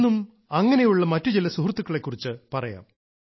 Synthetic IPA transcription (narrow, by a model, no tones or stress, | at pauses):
um | ɐŋːɐne̞juɭːɐmɐtːud͡ʑilːɐsuhrt̪ːukːɐɭe̞kːurit͡ɕːɨpɐrɐja̰ːm